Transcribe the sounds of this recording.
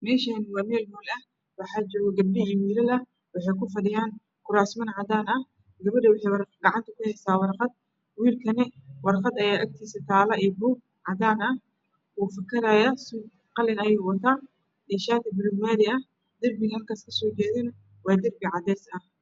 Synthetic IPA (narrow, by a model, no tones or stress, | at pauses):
mɛːʃanwɑːmɛːlmɔːlɐ | wɑħaːt͡ʃɔːɣɐɡɐb̚dɪiwiːlɐlɐ | wɑħɛjkʊfɐɽɪjaːn | kʰʊɾaːsmɐnʕɑd̪aːnɐ | ɡɐβɐɖɐwɑħɛjwɑrɡɑʕɑnt̪ʰɐkʊhɛsaːwɑrqɑd̪̚ | wiːlkʰɐnɛwɑrqɑd̪ɐjaːʔɐk̚t̪ʰiːsɐt̪ʰaːlɐiːbuːɡ̚ | ʕɑd̪aːnɐ | uːfɐkʰɐɾaːjasʊ | qɑlɛnɐjɛːwɑt̪ʰaː | dɛʃaːt̪ɐbɪɾʊɡmaːðɪɐ | d̪ɐrbɪɣɐlkʰaːskʰɐsɔːt͡ʃɛːðɪn | wɑːd̪ɐrbɪʕɑd̪ɛːsɐh